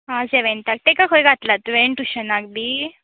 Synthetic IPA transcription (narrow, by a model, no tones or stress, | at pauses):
ɦãd͡zeʋent̪ak̚t̪ekakʰojɡʱat̪lat̪ʋeɳʈuɕənaɡ̚d̪i